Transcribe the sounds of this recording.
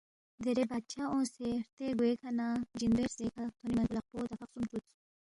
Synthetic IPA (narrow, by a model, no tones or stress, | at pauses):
d̪eɾebat͡ʃʰaõseɾt̪eɡuekʰanad͡ʒind̪ueɾzekʰat̪ʰonimaɡulaq̚pot̪afaqsumt͡ʃut͡s